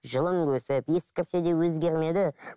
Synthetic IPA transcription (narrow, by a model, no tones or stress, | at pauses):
ʒəlˠəmkʲʰɵsɪpje̞skʲɪɾse̞d̪e̞wɵzɡʲe̞ɾme̞d̪ɪ